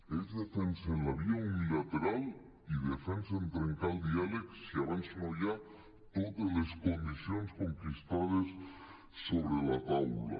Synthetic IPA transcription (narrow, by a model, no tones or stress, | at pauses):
ezðefensenaβjoŋunilat̪eɾal | iðefensaent̪ɾeŋkald̪ialeksiaβansinoʝa | t̪oðezlesko̞nd̪iθjonsko̞ŋkist̪að̞esː | oβɾelat̪awla̰